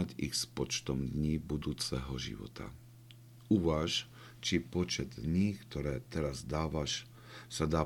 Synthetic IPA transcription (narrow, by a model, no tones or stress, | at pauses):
aɟḭɣspɔt͡ʃt̪ɔmd̪ɲiːbud̪uːt͡sɛɦɔʒḭʋɔ̰t̪ʰa̰ | uʋaːʃ | t͡ʃipɔt͡ʃɛd̪ɲiːkt̪ɔɾɛːt̪ɛɾazd̪aːʋaʃ | sad̪aː